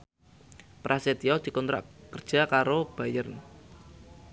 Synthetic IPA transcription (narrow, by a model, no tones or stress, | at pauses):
pɾʔaset̪iɔd̪̥i̤kɔnt̪ɾa̰ʔkərd̥ʒ̥a̤kaɾob̥ajərn